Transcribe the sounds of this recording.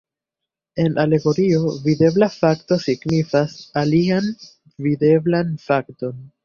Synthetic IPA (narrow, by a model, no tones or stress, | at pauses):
e̞nʔale̞ɡo̞ɾio̞vide̞blafakto̞siɡnifasalian | vide̞blanfakto̞n